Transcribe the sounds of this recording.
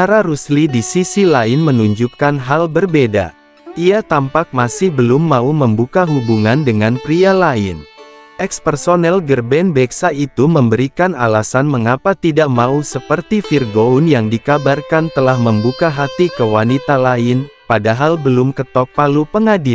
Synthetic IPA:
aɾaɾuslidisisilaɪnmənuɲd͡ʒukanɦalbərbeda̰ | ʔiat̪ampak̚masɪhbəlʊmːauməmbukaɦubuŋandəŋanpɾialaɪnʔɛkspərsonɛlɡərbɛnbɛksait̪uməmbəɾikana̰lasanməŋapat̪idaʔmausəpərt̪ifirɡounjaŋdikabarkant̪əlahməmbukaɦat̪ikəwanit̪alaɪnpadaɦalbəlʊmkət̪ɔk̚palupəŋadɪl

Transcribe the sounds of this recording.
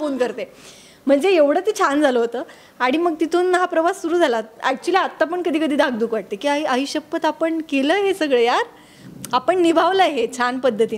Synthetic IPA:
fonkəɾt̪e | m̤əɳd͡zeeʋɽ̤ət̪it͡ɕʰand͡zʱaləɦot̪əː | aɽ̃iməɡ̚t̪it̪ʰuːnɦapɾəʋasːuɾuːd͡zʱalaæk̚t͡ɕuəliat̪ːap̬əɳkəd̪ʱiːkəd̪ʱiːd̪aɡ̚d̪uːkʋaʈ̚t̪ekiːaɦiʔaɦiɕəpːət̪apəɳkeləːɦesəɡɭejaɾ | apəɳnibʱaʋləɦet͡ɕʰanpəd̪ʱːət̪iː

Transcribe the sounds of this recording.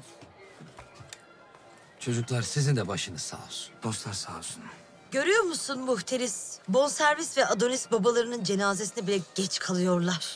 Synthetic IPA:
t͡ʃʰo̞d͡ʒuklˠaɾsizind̪ɛbaʃɯnɯsa̰ɾ̥d̪̥oslˠaɾsaːsun | ɟø̞ɾyjo̞ɾmusunmuht̪ʰe̞ɾisbo̞nsæɾvist̪vɛʔad̪o̞nisbabalˠaɾɯnɯnd͡ʒe̞naːzesinɛbilʲɛɟ̥ɛt͡ʃkʰalˠɯjo̞ɾlˠaɾ̥

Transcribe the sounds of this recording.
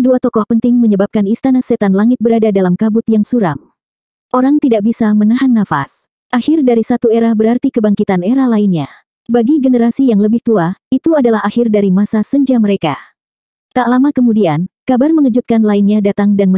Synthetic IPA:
duat̪ɔkɔhpənt̪ɪŋməɲəbap̚kanist̪anasɛt̪anlaŋɪt̪̚bəɾadadalamkabʊt̪jaŋsuɾa̰m | ʔoɾaŋt̪idaʔ̚bisamənaɦanːafa̰s | ʔahɪrdaɾisat̪ueɾabəɾart̪ikəbaŋkit̪aneɾahlainɲa | baɡiɡənəɾasijaŋləbɪht̪uait̪uadalahɦahɪrdaɾimasasəɲd͡ʒaməɾeka | t̪aʔlamakəmudiankabarməŋəd͡ʒut̪̚kanlainɲadat̪aŋdanmə

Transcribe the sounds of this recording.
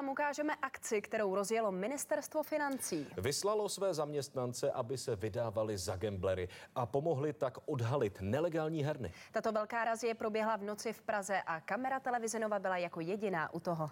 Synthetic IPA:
t̪amukaːʒɛmɛʔakt͡sɪkt̪ɛɾo̞wɾo̞zjɛlo̞mɪnɪst̪ɛɾst̪vo̞fɪnant͡siːvɪslalo̞svɛːzamɲɛst̪nant͡sɛʔabɪsɛvɪdaːvalɪzaɡɛmblɛɾɪʔapo̞mo̞ɦlɪt̪akʔodɦalɪt̪nɛlɛɡaːlɲiːɦɛɾnɪ̰t̪at̪o̞vɛlkaːɾazɪjɛpɾo̞bjɛɦlavno̞t͡sɪfpɾazɛʔakamɛɾat̪ɛlɛvɪzɛnovabɪlajako̞jɛɟɪna̰ːʔut̪oɦo

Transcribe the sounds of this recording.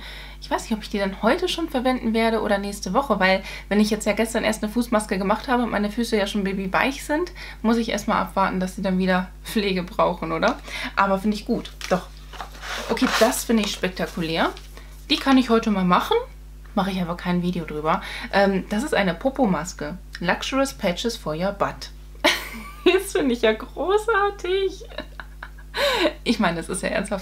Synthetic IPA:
ʔɪçv̥aɪsnɪçtɔpɪ̥çd̥iːdanhɔʏtəʃoːnfɛɐvɛndn̩veːɐɾəʔo̰ːɾɐnɛːçstəvɔχəvaɪlvɛnɪçjɛt͡stjaːɡɛstɐnʔḛːɐstnəfuːsmaskəɡəmaχthaːbəʊntma̰ɪnəfyːsəjaːʃoːnbeːbiva̰ɪçz̥ɪnt | mʊsɪçʔḛɐstmaːlʔa̰pv̥aːɐtn̩d̥asz̥iːdanviːdɐ | fleːɡəbʁaʊxn̩ʔoːɾɐʔaːbɐfɪndəɪçɡ̥uːtd̥ɔχ | ʔokʰeːd̥asfɪndəɪçʃpɛk̚tʰakʰulɛːɐ | d̥iːkʰanɪçhɔʏtəmaːlmaχn̩ | maχəɪçazɐkʰaɪnviːdejodʁyːbɐʔɛːmd̥asɪstʔa̰ɪnəpʰʊpomaskəlakt͡ʃəʁəspʰɛt͡ʃəsfɔjɐbat | jɛsfɪndəɪçjaːɡʁoːsʔaɐtʰɪç | ʔɪçmaɪnəɛsɪ̰stja̰ːʔɛ̰ɐnsthaft

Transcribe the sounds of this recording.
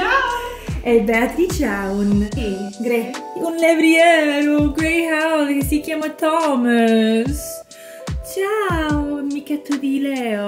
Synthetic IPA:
ɛbɛat̪ɾit͡ʃaunɡɾɛunlevɾiɛɾuɡɾɛjhawlkesikjamat̪ɔmas | t͡ʃawmikɛt̪ːud̪ilɛo

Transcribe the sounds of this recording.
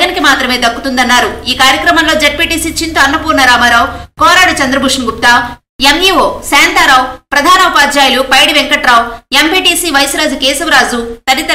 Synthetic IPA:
ɡɐnikimaːt̪ɾɐme̞ːd̪ɐkːut̪und̪ɐnːaːɾuiːkaːɾjɐkɾɐmɐnlo̞ːd͡ʒeʈ̚piːʈiːsiːt͡ʃint̪uɐnːɐpuːɾnɐɾaːmɐɾaːwkɔːɾaːɽut͡ʃɐnd̪ɾɐbʱuʂɐnɡup̚t̪aː | emjiːʋoːsɛːnt̪aːɾaːwpɾɐd̪ʱaːnɐʋɐpaːd̪d͡ʒaːjilupɐjɽiʋeŋkɐʈɾaːwempiːʈiːsiːʋɐjsɾaːd͡ʒukeːsɐʋɾaːd͡ʒut̪ɐnit̪ɐ

